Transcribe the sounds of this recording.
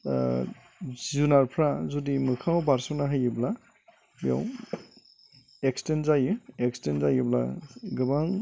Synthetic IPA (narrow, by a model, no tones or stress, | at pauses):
zunaɾpʰɾazudimɯkʰaŋɔbaɾsɔnaɦajɯbla | bija̰w | ekstenzajɯekstenzajɯbla̰ɡɯbaŋ